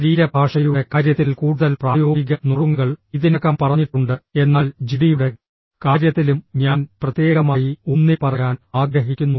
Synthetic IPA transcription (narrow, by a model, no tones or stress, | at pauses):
ɐɾiːɾɐbʱaːʂɐjuɽe̞kaːɾjɐt̪ːilkuːɽuðɐlpraːjo̞ːiɡɐnuruŋɡɐɭiðinɐkːɐmpɐrɐɲːiʈːuɳɖɨe̞nːaːld͡ʑiɽijuɽe̞ | kaːɾjɐt̪ːilumɲaːnprɐt̪je̞ːɡɐmaːjionːipɐrɐjaːnaːɡɾɐɦikʲːunːu